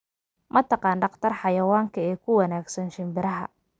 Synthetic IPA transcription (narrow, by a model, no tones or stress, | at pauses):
mʔɐt̪ʰɑqɑːnɖɑqt̪ʰɐrħɑjɐwaːŋkʰɐɛːkʰʊwɑnaːɡsɐnʃɪmbɪɾɐɦɐ̰